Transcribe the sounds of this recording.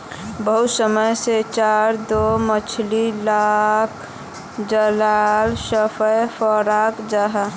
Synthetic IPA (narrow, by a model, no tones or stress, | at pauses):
bəɦʊt̪səməjset͡ʃaɾd̪omət͡ʃʰlilak | d͡ʒəlalsəpʰəjfɔɾakd͡ʒaɦa